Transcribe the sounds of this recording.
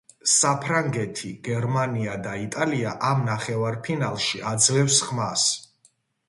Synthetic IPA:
sapʰɾaŋɡɛt̪ʰiɡ̥ɛɾmaniad̪ait̪ʼaliaʔamnaχɛvaɾpʰinalˠʃiad̪zlɛfsχmas

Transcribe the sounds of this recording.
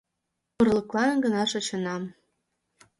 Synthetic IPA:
mɤ̆rləklɑnɡə̆nɑʃɤ̆t͡ɕə̆nɑm

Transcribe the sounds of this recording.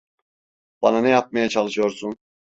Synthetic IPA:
b̥ɑnanɛjap̚majat͡ʃʰɑlˠɯʃɯjo̞ɾsun

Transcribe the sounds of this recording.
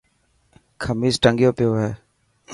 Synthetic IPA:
kʰəmiːsʈəŋɡjoːpɪjoːɦɛː

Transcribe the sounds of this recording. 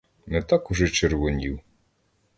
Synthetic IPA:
nɛt̪akʊʒɛt͡ʃeɾʋɔnʲiw

